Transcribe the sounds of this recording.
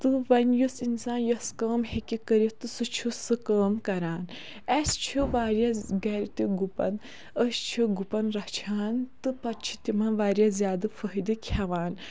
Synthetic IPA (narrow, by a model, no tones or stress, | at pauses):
t̪ɨʋɐnʲjusinsaːnjɐskəːmhekʲikəɾit̪ɨsɨt͡ʃʰusɨkəːmkɐɾaːn | ɐst͡ʃʰiʋaːɾjaɡɐɾʲt̪ʲiɡupɐ̰n | əst͡ʃʰiɡupɐnɾɐht͡ʃʰaːnt̪ɨpɐt̪t͡ʃʰi̥t̪ʲimɐnʋaːɾjazjaːd̪ɨfʰəɦid̪ɨkʲʰaʋaːn